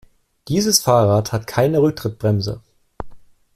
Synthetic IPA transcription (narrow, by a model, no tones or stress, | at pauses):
d̥iːzəsfaːʁaːthatkʰaɪnəʁʏk̚tʁ̥ɪt̚b̥ʁɛmzə̰